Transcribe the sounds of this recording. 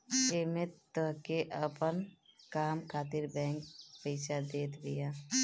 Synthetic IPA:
eːmet̪əɦkeʔəpənkaːmkʰaːt̪ɪɾbɛ̃ːŋkpeːt͡ʃad̪eːt̪ʰbɪjaː

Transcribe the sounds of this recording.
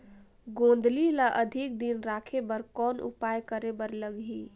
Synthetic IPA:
ɡõːnd̪lilaʔəd̪ʱik̚d̪inɾakʰebəɾkɔːnʔṵpajkəɾebəɾləɡɦi

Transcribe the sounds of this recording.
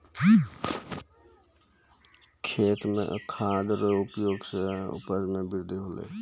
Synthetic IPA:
kʰeːt̪mḛ̃kʰãːd̪ɾəʊpjoːɡseʊ̰pəɾmẽbɪɾd̪ʱiɦolḛ

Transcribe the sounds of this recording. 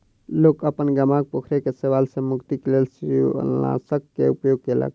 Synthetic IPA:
loːkəpənɡəmaɡ̚pokʰɾekeseʋaːlsemʊkt̪ikelels | a̰səkːḛupjoɡ̚kelə̰k

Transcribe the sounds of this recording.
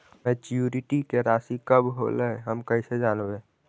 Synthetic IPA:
mɛ̃t͡ʃjuɾɪʈikeɾaːsikəbɦo̰ləɦəmkəised͡ʒaːnbeː

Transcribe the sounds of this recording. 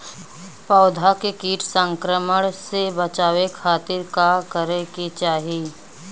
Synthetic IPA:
pɔːd̪ʱakekiːʈʰsə̃ŋkɾəməɽ̃sebət͡ʃaːwekʰaːt̪ɪɾkakəɾekit͡ʃaːɦieː

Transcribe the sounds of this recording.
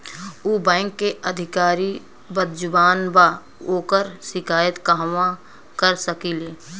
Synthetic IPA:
uːbɛ̃ːŋkːeəd̪ʱɪkaːɾi | bəd̪̚d͡ʒʊbaːnba | oːkəɾʃɪkaːjət̪kaɦʋã | kəɾsəkiːleː

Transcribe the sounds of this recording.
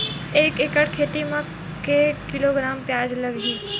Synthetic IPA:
eːkekəɽkʰeːt̪imə̃ | kekɪloɡɾaːmpjaːd͡ʒlɐɡɦiː

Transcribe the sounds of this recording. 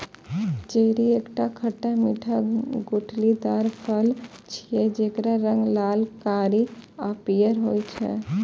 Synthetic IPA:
t͡ʃeːɾieːkʈakʰəʈamiʈʰaɡʊʈʰlid̪aːɾpʰəlt͡ʃʰied͡ʒeːkɾaɾə̃ŋɡlaːlkaːɾiapijəɾɦoːit͡ʃʰɛ̰

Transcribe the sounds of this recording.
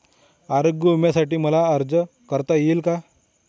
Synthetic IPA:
aɾoɡjəumjasaʈiːməlaəɾd͡zə | kəɾt̪ajeːlka

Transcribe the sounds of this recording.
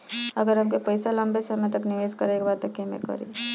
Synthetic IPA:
əɡəɾɦəmkepəjsaləmbesəmẽt̪əknɪʋeːskəɾekbaːɾt̪əkːemḛkə̰ɾḭ

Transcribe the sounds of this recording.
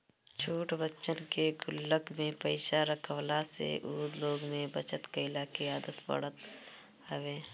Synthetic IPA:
t͡ʃʰuːʈbəːt͡ʃənkeɡʊlːəkmẽpəɪʃaɾəkʰəʋlasḛʔuːd̪loːɡmẽbət͡ʃət̪keɪlaːkeaːd̪ət̪pə̰ɽ̤ət̪ | aʋeː

